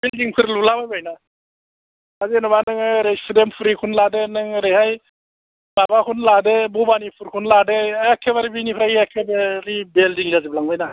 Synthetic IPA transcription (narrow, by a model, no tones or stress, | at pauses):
bildiŋpʰuɾlulabajbajna | azinɐbanɯŋɾespʰud̪empʰuɾikʰunlad̪enɯŋɾeɦaj | babakʰunlad̪ebubanipʰuɾkʰunladeɛkʰːebaɾibinipʰɾajiɛkʰːebeɾibelɖiŋlaziblaŋbajna